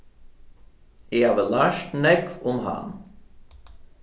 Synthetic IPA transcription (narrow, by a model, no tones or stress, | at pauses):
ɪkhavəlaʃtnɛkʊmɦa̰n